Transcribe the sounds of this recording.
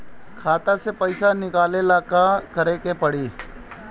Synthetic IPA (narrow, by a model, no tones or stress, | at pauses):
kʰaːt̪asepəɪsanɪkaːlelaːkakəɾekepəɽiː